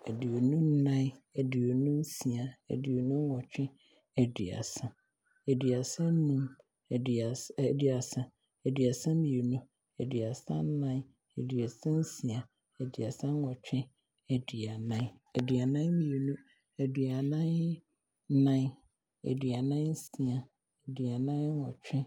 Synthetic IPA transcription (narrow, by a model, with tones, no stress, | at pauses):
æ˨di˨o˨nũ˦n̩˦nã˦ɛ˨di˨o˨nũ˦n̩˦si˨a˨æ̰˨di˨o˨nũ˦ŋ˦ɔ˨t͡ɕᶣɪ̃˦ | æ˨dḭ˨a̰˨sã˦ | æ˨di˨a˨sã˦n̩˦nũ˦m˨ | di˨a˨sã˦ | æ˨di˨a˨sã˦m˦mĩ˨e˨nũ˦ | æ̰˨di˨a˨sã̰˦n̩˦nã˦ | æ̰˨di˨a˨sã˦n̩˦sĩ˨a˨ | æ˨di˨a˨sã˦ŋ˦wɔ˨t͡ɕᶣʰɪ̃˦ | æ˨di˨a˨nã˦æ˨di˨a˨nã˦mi˨e˨nũ˦ | æ˨di˨a˨nã˦n̩˦ | nã˦ | æ̰˨di˨a˨nã˦n̩˦sĩ˨a˨ | æ˨di˨a˨nã˦ɔ˨t͡ɕʰᶣɪ̃˦